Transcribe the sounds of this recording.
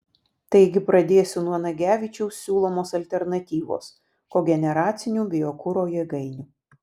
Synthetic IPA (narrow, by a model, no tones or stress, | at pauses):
t̪ɐɪɡʲɪpɾɐd̪ʲeːsʲɪnuɔnɐɡʲæːʋʲɪt͡ʃʲɛʊsːʲuːlˠoːmoːsɐlʲt̪ʲɛɾnɐt̪ʲiːʋo̰ːs | koːɡʲɛnʲɛɾɑːt̪sʲɪnʲuːbʲɪjokʊɾoːjɛɡɐɪnʲuː